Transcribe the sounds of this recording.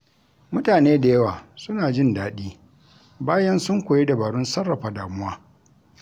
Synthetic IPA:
mʊ˦taː˨neː˦da˨jɐ˦waː˨sʊ˦naː˨d͡ʒɪ˦ndaː˨ɗiː˦ | baː˦jɐ˦nsʊ˦ŋkʷoː˨je˦da˨baː˨ɽʊ˦nsɐ˦rːa˨ɸaː˨daː˨mʊ˦waː˦

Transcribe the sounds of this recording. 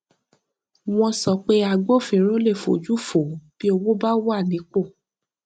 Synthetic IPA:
w̃ɔ̃˧sɔ˨˦k͡pe˧˦a˧ɡ͡bo˦˨fĩ˨˦ɾ̃ũ˦le˦˨fo̰˨d͡ʒu˦fo˨˦b̥i˦o˧wo˦ba˦wa˦˨nĩ˨˦k͡po˦˨

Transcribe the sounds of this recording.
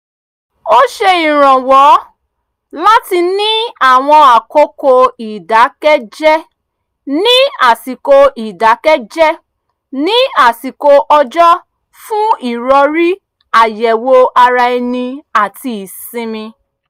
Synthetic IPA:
o˦ʃe˧i˨ɾ̃ɔ̃˨wɔ˨˦ | la˦ti˧nĩ˦a˦˨w̃ɔ̃˧a˨ko˦ko˧i˨da˨˦kɛ˦d͡ʒɛ˦ | nĩ˦a˨si˨ko˧i˨da˨˦kɛ˦d͡ʒɛ˦ | nĩ˦a˨si˨ko˧ʔɔ˧d͡ʒɔ˦ | fũ˦i˦˨ɾɔ˧ɾi˦ | a˨jɛ˨wo˧a˧ɾa˧ɛ˧nĩ˧a˨ti˧˦i˨sĩ˧mĩ˧

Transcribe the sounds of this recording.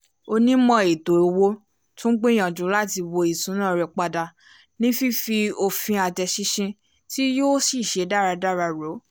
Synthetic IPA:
o˧nĩ˦mɔ̃˧e˨do˨o˧wo˦ | tũ˦ɡ͡bẽ˦j̃ã˨d͡ʒũ˨˦la˦ti˧wo˧i˨sũ˨˦nã˦˨ɾɛ˧˨k͡pa˧da˧ | nĩ˦fi˦fi˧o˧fĩ˧a˧d͡ʒɛ˧ʃi˧ʃĩ˧ | ti˦jo˦si˦˨ʃe˨˦da˦˨ɾa˧da˦˨ɾa˧ɾo˨˦

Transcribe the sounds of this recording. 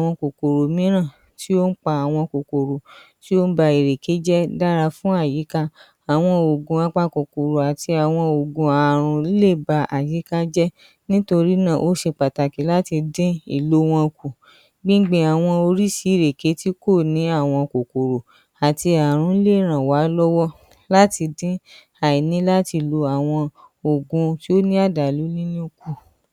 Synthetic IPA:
a˨w̃ɔ̃˧ko˨ko˨ɾo˨mĩ˨˦ɾ̃ã˦˨ | ti˦o˦n̩˦k͡pa˧a˨w̃ɔ̃˧ko˨ko˨ɾo˨ | ti˦o˦n̩˦ba˧i˨ɾe˨ke˨˦d͡ʒɛ˦da˦ɾa˧fũ˦a˦˨ji˨˦ka˦ | a˨w̃ɔ̃˧o˨ɡũ˧a˧k͡pa˦ko˨ko˨ɾo˨a˨ti˧a˨w̃ɔ̃˧o˨ɡũ˧a˨ɾ̃ũ˧˦le˦˨ba˧ʔa̰˨ji˨˦ka˦d͡ʒɛ˦ | nĩ˦to˧ɾi˦nã˦˨ʔo˦ʃe˧k͡pa˨ta˨ki˨˦la˦ti˧dẽ˦ḭ˦˨lo˨˦w̃ɔ̃˧ku˨ | ɡ͡bĩ˦ɡ͡bẽ˦a˨w̃ɔ̃˧o˧ɾi˦si˧˦ɾe˨ke˨˦ti˦ko˦˨nĩ˨˦a˦˨w̃ɔ̃˧ko˨ko˨ɾo˨ | a˨ti˧a˨ɾ̃ũ˧i˦le˦˨ɾ̃ã˨wa˨˦lɔ˦wɔ˦ | la˦ti˧dĩ˦ | a˨i˨nĩ˨˦la˦ti˧lo˧a˨w̃ɔ̃˧o˨ɡũ˧ti˦o˦nĩ˦a˦˨da˨lu˨˦lĩ˦nĩ˦ku˦˨

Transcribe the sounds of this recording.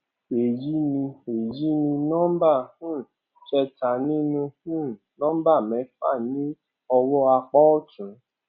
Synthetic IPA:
e˨ji˦nĩ˧e˨ji˨˦nĩ˧nɔ̃˦m˦ba˦˨hũ˦˨ | t͡ʃɛ˧ta˨˦nĩ˦nũ˧hũ˦˨nɔ̃˦ba˦˨mɛ̃˨˦fa˦˨nĩ˦ | ɔ˧wɔ˦a˧k͡pɔ˦ɔ˦˨tũ˨˦

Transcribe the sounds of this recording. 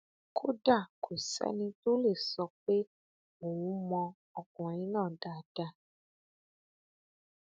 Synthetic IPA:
kʰo˦da˦˨kʰo˨sɛ̰˦nĩ˧to˦le˦˨sɔ˧k͡pe˦ | mo˨wũ˨˦mɔ̃˧ | ɔ˨kɔ̃˨ĩ˦nãː˦˨da˨˧˨d̥a˧

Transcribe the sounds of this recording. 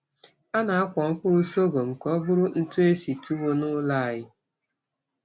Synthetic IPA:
a˦na˨a˦kʷɔ˨ŋ̩˦kʷʊ˦ɾʊ˦so˦ɡo˨ŋ͡m̩˨kɔ˦bʊ˦ɾʊ˦n̩˦tu˦e˦si˨tu˦wo˦nʊ˦la˦˨a˨jɪ˦

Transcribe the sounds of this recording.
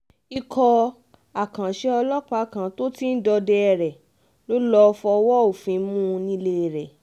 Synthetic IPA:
i˧kʰɔ˧ | a˨kã˨ʃe˧˦ɔ˧lɔ˦k͡pa˧˦kã˨˦to˦ti˦n̩˦dɔ˧dɛ˧ɛ˨ɾɛ˨ | lo˦lɔ˧˦˧fɔ˧wɔ˦o˨fĩ˨˦mũ˦˧nĩ˧˦le˧˨ɾɛ˨

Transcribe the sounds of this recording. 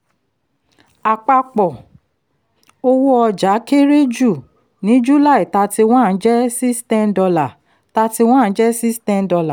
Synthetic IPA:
a˨k͡pa˧k͡pɔ˨ | o˧wu˦ɔ˧d͡ʒa˨˦ke˦ɾe˦d͡ʒu˦˨ | nĩ˨˦d͡ʒu˦la˦˨i˨ta˧ti˧w̃ã˦˨˦d͡ʒɛ˦si˦stɛ̃˧n˦dɔ˧la˨ | ta˧ti˧w̃ã˦˨˦d͡ʒɛ˦si˦stɛ̃˧n˦dɔ˧la˨

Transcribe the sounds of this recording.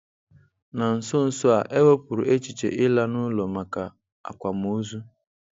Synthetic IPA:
na˨n̩˨sʊ˦n̩˨sʊ˦a˨ʔe˦bo˦pʊ˨ɾʊ̰˨ʔe˦t͡ʃi˨t͡ʃḛ˨ʔɪ˦la˦nʊ˦lo˨ma˨ka˨ | a̰˨kʷa˨m˨u˦zu˦

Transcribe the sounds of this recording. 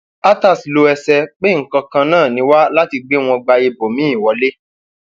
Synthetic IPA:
a˦ta˦˨slo˧ɛ˧sɛ˧k͡pe˦ŋ̩˨kɔ̃˧kã˧nãː˦˨nĩ˧˦wa˦la˦ti˧ɡ͡be˦w̃ɔ̃˧ɡ͡ba˧e˧bo˨mĩ˨˦ĩ˦˨wɔ˨˧˦le˦

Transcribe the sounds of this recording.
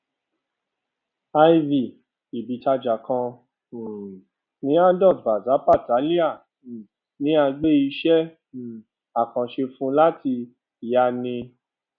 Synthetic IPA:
a˧i˧vi˨ | i˨bi˨ta˧d͡ʒa˨kʰã˧˨ | nĩ˨˦a˦dɔ˦˨tba˨za˨˦pa˦˨ta˨˦li˦a˦˨ | nĩ˦a˧ɡ͡be˦i˧ʃɛ˦˨ | a˨kã˨ʃe˧fũ˦la˦ti˧˨ | ja˦nĩ˧

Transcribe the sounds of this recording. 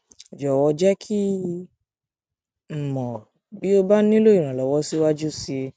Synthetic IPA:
d͡ʒɔ˨wɔ˧d͡ʒɛ˦kʰi˦ | m̩˨mɔ̃˨ | bi˦o˧ba˦nĩ˦lo˦i˨ɾ̃ã˨lɔ˨wɔ˧si˦wa˦d͡ʒu˦si˧

